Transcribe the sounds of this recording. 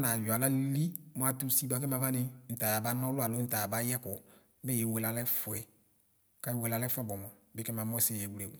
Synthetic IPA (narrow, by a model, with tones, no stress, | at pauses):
na˨ja˨la˦li˦mɔ˨˦a˨tu˦si˦da˨kɛ˦ma˨va˦nɪ˦n̩˨ta˨ja˨ba˨˦nɔ˦lʊ˦a˨lo˦n̩˦ta˨ja˨ba˦jɛ˦kʊ˨˦ | bɛ˦˨je˨we˨la˨lɛ˦fʊ˨ɛ˨˦ | ka˦je˦we˨la˨lɛ˦fɛ˦bɔ˨mɔ˨bɪ˦kɛ˦ma˨mɔ˦sɪ˦˨jɛ˨wu˨le˨wu˨